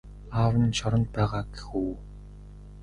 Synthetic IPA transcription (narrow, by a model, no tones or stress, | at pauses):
aːwə̆nt͡ɕʰɔɾɞ̆nt̪̚pæːʁaːɡe̥xuː